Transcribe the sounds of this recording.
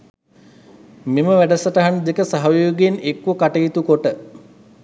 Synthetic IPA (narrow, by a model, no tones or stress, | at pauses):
meməʋæɖəsəʈɐɦanud̪ekəsaɦɐjoːɡeenekːʋəkaʈəjit̪ukoʈə